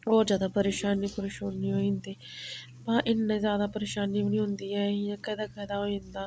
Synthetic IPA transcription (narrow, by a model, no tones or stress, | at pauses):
ɔːɾzjaːd̪aːpəɾeːʃaːniːpəɾeːʃaːniːɦoːĩnd̪iː | bãːʔɪnːẽːzjaːd̪aːpəɾeːʃaːniːʋɪnĩːɦʊ̃nd̪iːɛːjãːkɛːd̪aːkɛːd̪aːɦoːĩnd̪aː